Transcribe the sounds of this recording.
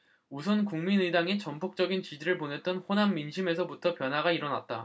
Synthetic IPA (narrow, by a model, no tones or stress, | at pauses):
usʰʌnkuŋminɯdaŋet͡ɕʌmpʰok̚t͡ɕ͈ʌɡint͡ɕid͡ʑiɾɯɭpone̞t̚t͈ʌnɸonamːinɕʰime̞s̬ʰʌbutʰʌpjʌnɦwaɡaiɾʌna̰t̚t͈a